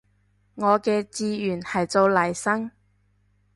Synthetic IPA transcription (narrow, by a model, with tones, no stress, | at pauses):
ŋɔː˨˧kɛː˧t͡siː˧jyː˨˩nhɐ˨jt͡so˧wlɐ˨˩jsɐ˥ŋ